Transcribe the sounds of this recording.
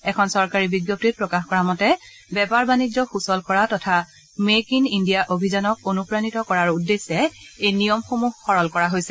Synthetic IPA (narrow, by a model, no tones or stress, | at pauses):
ɛkʰɔnsɔɹkaɹibiɡjop̚tit̚pɹɔkaxkɔɹamɔtɛ | bɛpaɹbanid͡ʒɔxusɔlkɔɹatɔtʰa | mekinindijaʔobʱizanɔk̚onupɹanitɔkɔɹaɹudːesɛejnijɔmxomuhxɔɹɔlkɔɹaɦojsɛ